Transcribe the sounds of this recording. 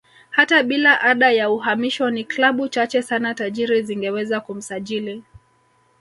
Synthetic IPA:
hataɓilaʔaɗajauɦamiʃɔniklaɓut͡ʃat͡ʃɛsanataʄiɾiziŋɡɛwɛzakum̩saʄili

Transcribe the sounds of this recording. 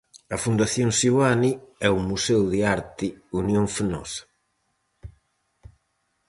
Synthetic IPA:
ɐfund̪aθjonsiwaniɛumusɛwðiaɾt̪iunjoɱfenɔ̰sḁ

